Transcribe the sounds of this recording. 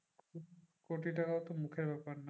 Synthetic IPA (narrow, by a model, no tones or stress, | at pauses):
koʈiʈakaot̪omukʰebɛpaɾna